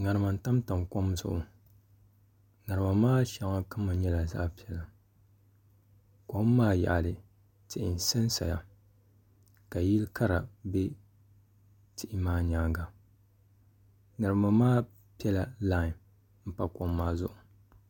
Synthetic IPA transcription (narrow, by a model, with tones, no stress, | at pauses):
ŋa˨ɾɨ˨ma˨n̩˦˨ta˦mta˨mko˦mzʊ̰˨ʔʊ˨ | ŋa˨ɾɨ˨ma˨maː˦ʃa˨ŋa˦ka˦mːɨ˨˦ɲɛ˦la˨za̰˦ʔpi˨˦ɛ˨la˨ | ko˦mːaː˦ja̰˨ʔa˨lɨ˨ | tɪ˨ʔɪ˨n˨sɛ˦nsa̰˨ja˨ | ka˨ji˦lka˦ɾa˨bɛ˦ | tɪ˨ʔɪ˨˦maː˦ɲaː˨˦ŋɡa˨ | nɨ˨ɾɨ˨ma˨maː˦ | pi˦ɛ˦la˨la˦˨ | m̩˦pa˦ko˦mːaː˦zʊ̰˦ʔʊ˨